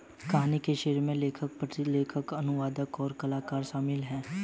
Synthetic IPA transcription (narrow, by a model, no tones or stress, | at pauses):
kɐɦaːnikeʃeːɾmẽleːkʰək̚pəʈleːkʰəkɐnʊʋaːd̪əkɔːɾkɐlaːkaːɾʃaːmɪlɦɛ̃ː